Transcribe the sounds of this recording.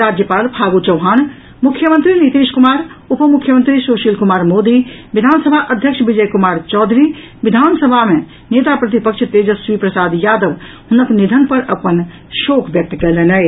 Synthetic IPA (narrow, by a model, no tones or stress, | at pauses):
ɾaːd͡ʒjəpaːlpʰaːɡut͡ʃɐwɦaːn | mʊkʰːjəmə̃nt̪ɾinit̪eːʃkʊmaːɾʊpəmʊkʰːjəmə̃nt̪ɾisoːʃilkumaːɾmoːd̪iʋɪd̪ʱaːnsəbʱaʔəd̪ʱjəkʃʋɪd͡ʒəjkumaːɾt͡ʃɔːd̪ʱɾi | ʋɪd̪ʱaːnsəbʱamẽ | neːt̪apɾɐt̪ipəkʃt̪eːd͡ʒəsʋipɾəsaːd̪jaːd̪əʋ | hʊnəknid̪ʱənpɐɾɐpən | ʃoːkʋjək̚t̪kɛlenə